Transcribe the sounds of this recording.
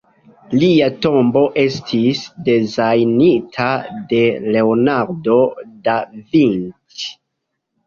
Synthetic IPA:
liato̞mbo̞ʔe̞stʰisde̞zajnitʰade̞le̞onaɾdo̞davint

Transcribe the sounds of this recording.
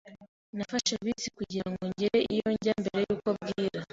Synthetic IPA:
nafaʃeβit͡si̥kuɟiɾaaŋɡo̞ɲɟeɾeʔijo̞ɲɟambe̞ɾe̞juːko̞b̚ɡiːɾa

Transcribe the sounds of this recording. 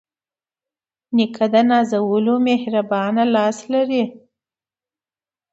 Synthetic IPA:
nɪkʰad̪anɑzawəlomehɾabɑnalɑslaɾi

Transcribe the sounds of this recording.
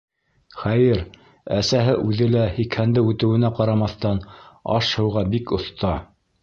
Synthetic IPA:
χæjɘɾ | æsæɦɘʔʉðɘlæhikhænd̪ɘʉt̪ɘ̆wɘ̆næqɑɾɑmɑθt̪ɑnɑ̰ʃhɤ̆wʁɑbikŏθt̪ɑ

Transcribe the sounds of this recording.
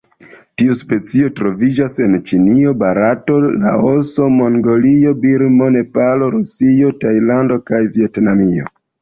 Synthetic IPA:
tiuspe̞t͡sio̞tɾo̞vid͡ʒase̞nt͡ʃinio̞baɾato̞la̰oso̞mo̞ŋɡo̞lio̞biɾmo̞ne̞palo̞ɾusio̞tajlando̞kajvie̞tnamio̞̰

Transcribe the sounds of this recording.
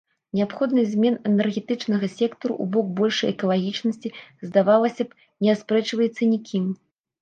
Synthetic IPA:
nʲɛapxɔd̪nɨzʲmʲɛnɛnɛrɣʲɛt̪ɨt͡ʂnɐɣɐsʲɛkt̪ɐɾṵʔṵbɔk̚bɔlʲʂɐjɛkɐlˠaɣʲit͡ʂnɐsʲt͡sʲizd̪avalˠɐsʲɐp | nʲɛaspɾɛt͡ʂvɐjɛt̪sːɐnʲikʲʰim

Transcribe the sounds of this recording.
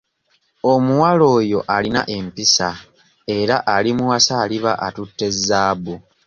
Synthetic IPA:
o̞muwalo̞ːjo̞ʔalina̰ʔe̞mpisa | e̞ɾaʔalimuwasaːliβa̰ʔatutːe̞zːaːβu

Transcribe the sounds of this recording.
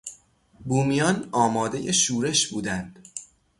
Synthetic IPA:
buːmijɒːnɒːmɒːd̪e̞je̞ʃuːɾe̞ʃbuːd̪ænd̪̥

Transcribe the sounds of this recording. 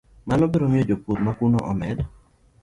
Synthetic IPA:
manɔbeɾomjod͡ʒoput̪̚makunɔʔɔ̰mɛdɔ

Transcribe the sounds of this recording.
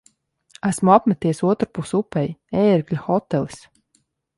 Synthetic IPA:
æsmuapmɛt̪iɛsuɔt̪ɾupusupɛjeːɾɡlʲaxɔt̪ːɛlˠis

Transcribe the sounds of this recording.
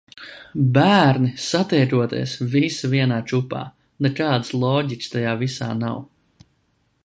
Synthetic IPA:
bæːɾnisat̪ɛjɾuɔt̪ḭːsvisviɛnaːt͡ʃupa̰ː | nɛkaːd̪slˠɔːɟikʲst̪ajaːvisa̰ːnaw

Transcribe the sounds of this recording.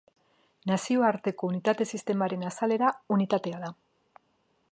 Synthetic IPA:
nasioaɾt̪e̞ko̞unit̪at̪e̞sist̪e̞maɾe̞nasale̞ɾaunit̪at̪e̞aða

